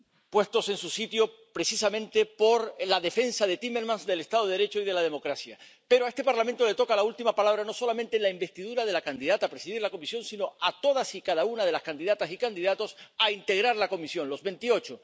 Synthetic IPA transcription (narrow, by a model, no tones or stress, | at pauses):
pwe̞st̪o̞se̞nsusit̪jo̞ | pɾe̞sisamẽ̞nt̪e̞po̞ɾlaðe̞fe̞nsaðe̞t̪ime̞ɾmãnsd̪e̞le̞st̪að̞oðeɾe̞t͡ʃoiðe̞lað̞e̞mo̞kɾasja | pe̞ɾoae̞st̪e̞paɾlamẽnt̪o̞le̞t̪o̞kalault̪imapalaβ̞ɾano̞so̞lamẽnt̪e̞laimbe̞st̪iðuɾaðe̞lakand̪iðat̪aːpɾe̞siðiɾlako̞misjõ̞nsino̞at̪o̞ð̞asikaðaunað̞e̞laskand̪iðat̪asikand̪iðat̪o̞saint̪e̞ɣ̞ɾaɾlako̞misjo̞nlo̞zβe̞nt̪io̞t͡ʃo